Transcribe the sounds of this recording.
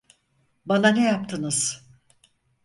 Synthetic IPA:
bananejap̚t̪ʰɯnɯz̥

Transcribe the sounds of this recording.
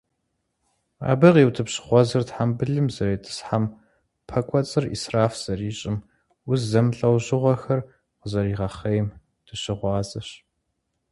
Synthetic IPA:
a̰ːbɨʁiːwtʰɨpɕɪ̥χʷɔzɐrtħambɨɮɨmzɐɾetʰʼɨ̥sħam | pʰɐkʷʼɔt͡sʼɨrḭːsraːfz̥ɐriːɕʼɪm | ʊzzɐmɬʼɐwʑɪʁʷɐxɐr | qəzɐriːʁɐχɐjm | tʰɨɕɪʁʷɑːzɐɕ

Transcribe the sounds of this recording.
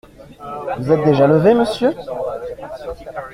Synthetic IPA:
vuzɛt̪̚d̪eʒaləveməsjø

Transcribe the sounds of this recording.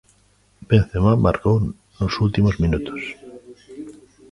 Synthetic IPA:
bẽnθemama̰ɾkow | nosult̪imozmĩnut̪o̥s

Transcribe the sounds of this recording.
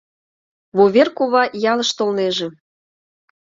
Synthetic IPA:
βoβʲerkuβɑjɑlə̆ʃt̪olneʒĕ

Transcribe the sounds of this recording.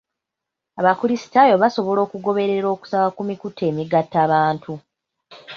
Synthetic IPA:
aβakuɾisi̥tajo̞βaso̞βo̞lo̞ːkuɡo̞βe̞ɾe̞ɾo̞ːku̥sakakumikutːe̞ːmiɡatːaːβaːntʰu

